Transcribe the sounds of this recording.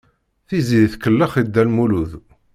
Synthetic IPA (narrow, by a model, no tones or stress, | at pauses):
θiziðθkəlːəχid̪ːælmuluð